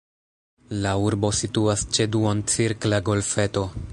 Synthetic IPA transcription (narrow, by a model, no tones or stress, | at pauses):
lauɾbo̞situast͡ʃe̞duont͡siɾklaɡo̞lfe̞to̞